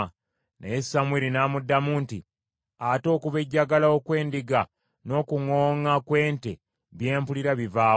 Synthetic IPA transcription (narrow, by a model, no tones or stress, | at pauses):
nʔa̰jesamwiɾinaːmudːamuːntḭ | ato̞ːkuβe̞ɟːaɡalaokwe̞ːndiɡa | no̞ːkuŋo̞ːŋakwe̞ːnte̞ | βje̞ːmpuliɾaβivaː